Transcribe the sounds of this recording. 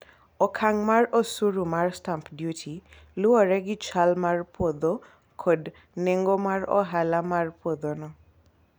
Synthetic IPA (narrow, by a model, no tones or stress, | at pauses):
ɔkʰaŋmaɹɔsuɹumaɹstampʰdjutʰi | luɔɹɛɡit͡ʃʰalmaɹpɔd̪ɔ | kʰɔd | neŋɡɔmaɹɔ̰ɦalamaɹpɔd̪ɔnɔ